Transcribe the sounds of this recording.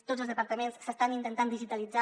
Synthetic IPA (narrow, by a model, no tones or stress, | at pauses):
t̪odzəlˠzðəpəɾt̪əmenssːəst̪anint̪ənt̪and̪iʒit̪əlid͡za